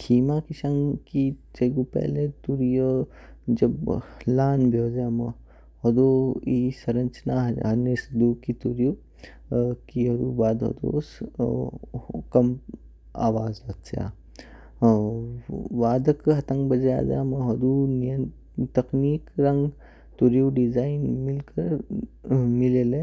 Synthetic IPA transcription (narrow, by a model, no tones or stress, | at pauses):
kʰiːmaːkiʃɐŋkit͡ʃɐɡupɛ̰ːlet̪uɾijo | d͡ʒɐblaːnbʱjoːzjaːmɐ | hod̪oiːsɐɾɐ̃nt͡ʃnaɦɐnesd̪uːkit̪uɾju | kiɦɐd̪uːbaːd̪ɦo̰d̪o̰ːs | kɐm | a̰ːʋaːzɐt̪sja̰ː | ʋaːd̪ɐkɦɐt̪ɐ̃ŋɡbɐd͡ʒeja̰ːd͡ʒjamɐɦɐd̪unijə | t̪ɐkniːkɾɐ̃ŋɡ | t̪uɾjuːɖizaːinmilkɐɾ | mileːle